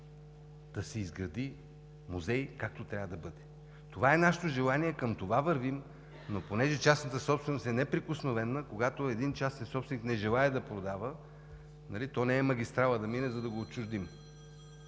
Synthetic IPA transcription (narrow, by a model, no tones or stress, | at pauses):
d̪̥ɐsɛizɡɾɐd̪i | muzɛjkak̚t̪ot̪ɾʲavəd̪ɐbɤd̪ɛ | t̪ovaɛnaʃɛ̥t̪oʒɛlˠaniɛkəmt̪ovavəɾvim | noponɛʒɛt͡ʃasnət̪əsɔpst̪vɛnost̪ɛnɛpɾikʊsnovɛnːəkoɡat̪oɛd̪int͡ʃasnitsɔpsvɛniknɛʒɛlˠaɛd̪ɐpɾod̪avə | nɐlit̪ɔnɛɛmɐɡ̟ʲist̪ɾalˠəd̪ɐminɛzɐd̪ɐɡoːtt͡ʃʊʒd̪im